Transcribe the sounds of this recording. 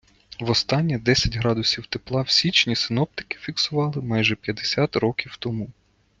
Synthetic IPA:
ʋɔst̪ɑnʲːɐd̪ɛsʲɐtʲɦɾɑd̪ʊsʲiwt̪eplˠɑwsʲit͡ʃnʲisɪnɔp̚t̪ɪ̥kɪ̥fʲiksʊʋɑlˠɪmɑjʒɛpʲjɐd̪esʲɑt̪ɾɔkʲiwt̪ɔmu

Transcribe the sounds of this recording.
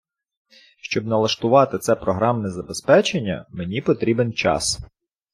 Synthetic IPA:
ʃt͡ʃɔbnɐlˠɐʃt̪ʊʋɑt̪ɪt̪sɛpɾɔɦɾɑmnezɐbespɛt͡ʃenʲːɐ̰menʲipɔt̪ɾʲibent͡ʃɑ̰s

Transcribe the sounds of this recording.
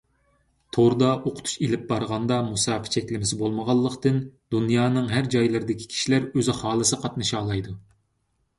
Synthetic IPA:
t̪ʰoɾd̪ɑʔoqʰʊ̥t̪ʰu̥ʃelɪp̚bɑɾʁɑnd̪ɑmusɑːpʰɪ̥t͡ʃʰɛkʲlɪmɪsɪbolˠməʁɑlˠːəqt̪ɨnd̪unjɑːnɨŋɦæɾd͡ʒɑjlˠɨɾd̪ɪkʲʰi̥kʲʰi̥ʃilæɾøzɪχɑːlˠɨsɨqʰɑt̪nɨʃɑːlˠɑjd̪u

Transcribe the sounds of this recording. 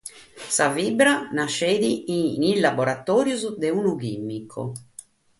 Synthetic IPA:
savibɾanaʃeːd̪iinilːabɔɾat̪ɔːɾjuzd̪eunukimːikʰːo̰

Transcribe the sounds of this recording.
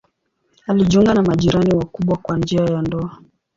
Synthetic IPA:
aliʄuŋɡanamaʄiɾaniwakuɓwakwand͡ʒiajandɔa

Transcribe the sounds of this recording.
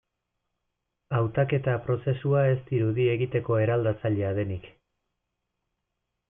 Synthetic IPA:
awt̪ake̞t̪apɾo̞se̞suae̞st̪iɾuðie̞ɣit̪e̞ko̞e̞ɾald̪at͡saʎe̞aðe̞nik

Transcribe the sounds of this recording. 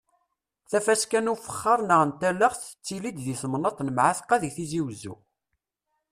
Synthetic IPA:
θæfæskænufə̥χːɑɾˤnəʁənt̪æləχθə̥t͡sːilid̪ðiθmnɑt̪ˤnəmʕaθqɑðiθiziwzṵ

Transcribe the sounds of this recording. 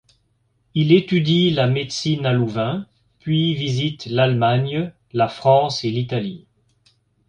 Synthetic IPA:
ilet̪yd̪ilamet̪sinaluvɛ̃ | pɥivizit̪lalmaɲ | lafχɑ̃selit̪ali

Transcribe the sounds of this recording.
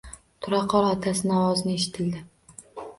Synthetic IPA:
t̪ʰʊɾɑqʰːɒɾat̪ʰasɪnɒwɒzɪnɪeʃɪ̥t̪ʰɪld̪ɪ

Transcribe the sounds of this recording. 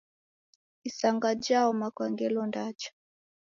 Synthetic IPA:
isaŋɡad͡ʒaɔmakwaŋɡɛlɔndat͡ʃḁ

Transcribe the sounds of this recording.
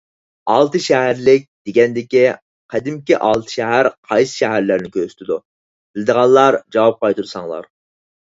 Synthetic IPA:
ɑlˠt̪ɨʃɛɦæɾlɪk̚ʲd̪̥eɡʲɛnd̪ɪkʲi | qʰæd̪ɪmkʲiʔɑlˠt̪ʰɨ̥ʃɛɦæɾqʰɑjsɨ̥ʃɛɦæɾlæɾnɪkʲʰøsy̥t̪ʰɪd̪u | b̥ɪld̪əʁɑlˠːɑɾd͡ʒɑwɑp̚qʰɑjt̪uɾsɑŋlˠɑ̰ɾ

